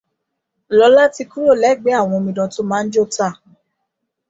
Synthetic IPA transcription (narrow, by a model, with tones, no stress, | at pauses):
lɔ˨˦la˦ti˧ku˦ɾo˦˨lɛ˨˦˨ɡ͡be˨˦a˦˨w̃ɔ̃˧mĩ˧˨dã˧to˦mãː˦n̩˦d͡ʒo˦˨ta˦˨